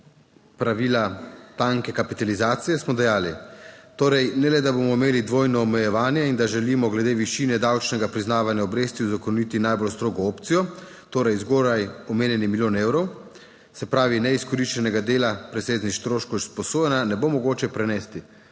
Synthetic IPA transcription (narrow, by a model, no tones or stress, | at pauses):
pɾaʋiːlat̪aŋkɛkapit̪alizaːt̪sijɛsmɔd̪ɛjaːlit̪oːɾɛjnɛlɛd̪abomɔimeːlid̪ʋoːjnɔːmɛjɛʋaːnjɛind̪aʒɛlimɔɡlɛd̪eːʋiʃiːnɛd̪awt͡ʃnɛɡapɾiznaːʋanjaɔbɾeːst̪iuzakɔnit̪inajbɔlst̪ɾoːɡɔoːpt̪sijɔ | t̪oːɾɛjzɡoːɾajɔmeːnjɛnimilʲjoːnewɾɔw | sɛpɾaːʋinɛiskɔɾiʃt͡ʃɛnɛɡad̪eːlapɾɛseːznixst̪ɾoːʃkɔspɔsoːjɛnanɛbomɔɡoːt͡ʃɛpɾɛnɛst̪i